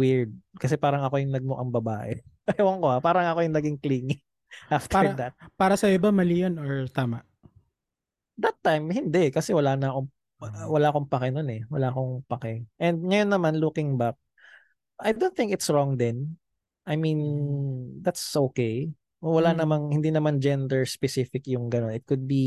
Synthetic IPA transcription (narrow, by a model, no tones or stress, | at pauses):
wiɹd̪̚kɐs̬ɛpaːɾɐŋɐko̞jʊŋnɐɡ̚moʔɐŋbɐbaːʔɛ̰ | ɐjawɐŋkoapaːɾɐŋɐko̞jʊŋnɐɡɪŋkliːŋɪ | ʔaft̪ɹd̪ɐt̪̚paːɾɐsɐɪbamɐlɪjonoɹt̪aːmaʔ | d̪ɐt̪ːajmhɪnd̪ɛkɐsɛwɐlanɐko | wɐlaʔɐko̞ŋpɐkɛnonɛwɐlaʔɐko̞ŋpɐkɛʔɛnd̪̚ŋɐjonːɐmanlukɪŋbak̚ | ʔɐjd̪onθɪ̃ŋkɪt̪sɹɔŋd̪ɛn | ʔɐjmin | d̪at̪sʔoːkej | wɐlanɐmaŋhɪnd̪inɐmand͡ʒɛnd̪ɛɹspɛsifɪkjʊŋɡɐno̞nɪt̪̚kʊd̪̚bi